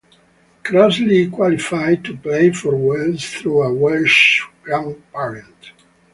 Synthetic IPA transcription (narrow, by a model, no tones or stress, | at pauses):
kʰɾazlikwɔlifajd̚tupleɪfɔɹwɛldzθɹuəwɛlʃãŋpaɹə̃nt